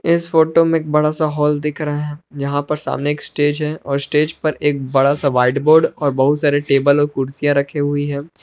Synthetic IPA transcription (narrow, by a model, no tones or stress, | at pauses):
ɪsfoːʈomẽeːk̚bɐɽasaɦɔːld̪ɪkʰɾɐaɦɛ̃jɐɦãpɐɾsa̰ːmneeːksʈeːd͡ʒɦɛʔɔːɾsʈeːd͡ʒpɐɾeːk̚bɐɽasaʋaːɪɖboːɾɖɔːɾbɐɦʊt̪saːɾeʈeːbəlɔːɾkʊɾsijãɾɐkʰeɦʊiɦɛ̃ː